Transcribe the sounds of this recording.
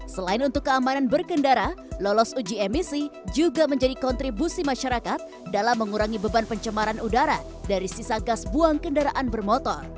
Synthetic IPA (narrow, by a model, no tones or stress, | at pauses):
səlaɪnunt̪ʊkːəamananbərkəndaɾalɔlɔsud͡ʒiɛmisid͡ʒuɡaməɲd͡ʒadikɔnt̪ɾibusimaʃaɾakat̪̚ | dalamːəŋuɾaŋibəbanpəɲt͡ʃəmaɾanudaɾa | daɾisisaɡasbuaŋkəndaɾaʔanbərmɔt̪ɔr